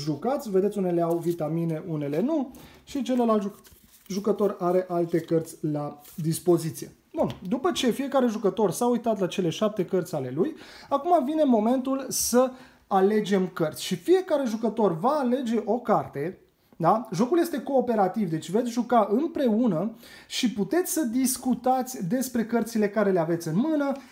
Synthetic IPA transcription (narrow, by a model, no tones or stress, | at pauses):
ʒukat̪sʲved̪et̪sʲune̞leawvit̪amine̞ʔune̞le̞nuʃit͡ʃe̞lelalt̪ | ʒukət̪o̞raɾe̞ʔalt̪e̞kərt̪sʲlad̪ispo̞zit̪sije̞ | bund̪upət͡ʃe̞fije̞kaɾe̞ʒukət̪o̞rsaujt̪at̪lat͡ʃe̞le̞ʃap̚t̪e̞kərt̪sʲale̞lujakumavine̞mo̞me̞nt̪ulsə | ale̞d͡ʒe̞mkərt̪sʲʃifije̞kaɾe̞ʒukət̪o̞rvaːle̞d͡ʒe̞ʔo̞kart̪e̞ | d̪aʒo̞kulje̞st̪e̞ko̞ːpe̞ɾat̪ivd̪e̞t͡ʃʲvet̪sʲʒukaʔɨmpɾe̞unəʃiput̪e̞t̪sʲsəd̪iskut̪at̪sʲd̪e̞spɾe̞kərt̪sile̞kaɾe̞le̞ave̞t̪sʲɨnmɨnə